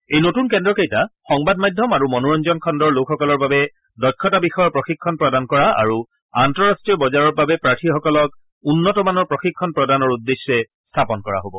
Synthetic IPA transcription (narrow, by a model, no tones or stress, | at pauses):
ejnotunkɛndɹɔkejtaxɔŋbad̚majdʱːɔmaɹumɔnuɹɔnzɔnkʰɔndɔɹlokʰxɔkɔlɔɹbabɛ | dɔjkʰːɔtabixɔjɔpɹɔxikʰːɔnpɹɔdankɔɹaa̰ɹu | antɔɹastɹijɔbɔzaɹɔɹbabɛpɹatʰixɔkɔlɔk | unːɔtɔmanɔɹpɹoxikʰːɔnpɹɔdanɔɹudːesɛ | stʰapɔnkɔɹa̰ɦobɔ